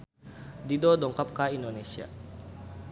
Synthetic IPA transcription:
didɔdɔŋkap̚kaindonesia̰

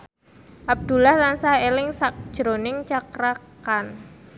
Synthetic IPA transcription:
ʔab̚d̪̥ṳlaht̪ansahelɪŋsak̚d̥ʒ̥ɾonɪŋt͡ʃakɾakan

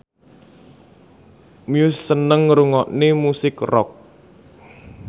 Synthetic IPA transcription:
miʊsːənəŋːəɾuŋɔʔnimusɪkrɔ̰k̚

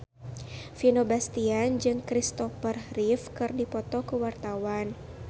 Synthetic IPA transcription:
finobast̪iand͡ʒɨŋkɾist̪ɔfərhrifkɨrdipɔt̪ɔkəwart̪awan

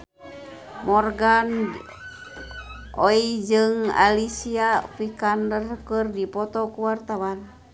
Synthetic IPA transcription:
mɔrɡan | oid͡ʒɨŋa̰lisiapikandərkɨrdipɔt̪ɔkuwart̪awan

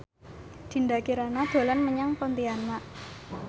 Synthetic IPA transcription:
d̪̥i̤nd̪akiɾanad̪̥o̤lanməɲaŋpɔnt̪ianmaʔ

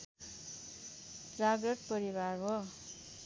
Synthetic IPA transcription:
d͡zaɡʌʈ̚pʌɾibarɦo

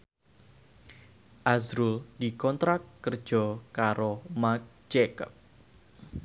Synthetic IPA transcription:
ʔazɾʊld̥ikɔnt̪ɾakːərd̥ʒ̥ɔkaɾomak̚ | d͡ʒɛkəp̚

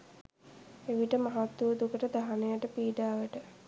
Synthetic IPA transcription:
eʋiʈəmaɦat̪ːuʋəd̪ukəʈəd̪aɦanejaʈəpiːɖaːʋəʈə

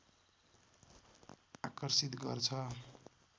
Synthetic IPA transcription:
akʌrsit̪ɡʌ̰rt͡sʰʌ

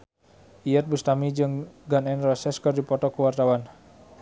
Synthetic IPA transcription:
ʔiɛt̪̚bust̪amid͡ʒɨŋɡanɛnrɔsɛskɨrdipɔt̪ɔkəwart̪awan

